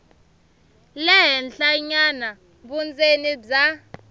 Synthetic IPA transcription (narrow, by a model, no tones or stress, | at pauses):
lɛɦɛnɬaɲana | ɓund͡zeniza